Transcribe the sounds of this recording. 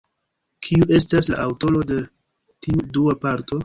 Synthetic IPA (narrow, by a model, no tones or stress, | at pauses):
kʰiuʔe̞stasla̰ʔawto̞lo̞de̞ | tiuduapaɾto̞